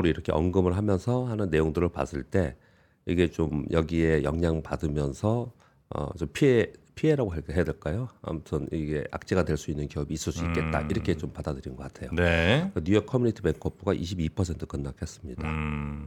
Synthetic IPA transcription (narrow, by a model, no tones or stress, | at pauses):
ɾoiɾʌkʰe̞ʔʌnɡɯmɯɭɦamjʌnsʰʌhanɯnːe̞joŋdɯɾɯɭpa̰s͈ɯɭt͈e̞ | iɡe̞t͡ɕomjʌɡie̞jʌŋɲaŋpadɯmjʌnsʰʌ | ʌ̰t͡ɕompʰiepʰie̞ɾaɡoɦeɦeade̞ɭk͈ajoa̰mutʰɯniɡe̞̰ʔa̰k̚t͡ɕ͈eɡadwe̞ɭs͈uinːɯnkiʌbiːs͈ɯɭs͈uik͈e̞t̚t͈a̰iɾʌkʰe̞t͡ɕompadadɯɾinɡʌk͈atʰe̞joneenujʌkʰːʌmuɲitʰɯbeŋkʰʌp͈uɡaʔiɕʰibipʰʌsʰe̞ntʰɯ̥kɯnːakʰes͈ɯmɲida